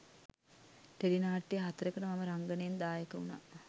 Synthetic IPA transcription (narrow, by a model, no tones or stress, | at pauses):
ʈelinaːʈːijəɦat̪əɾəkənəmaməɾaŋɡənəjend̪aːjəkəuna̰ː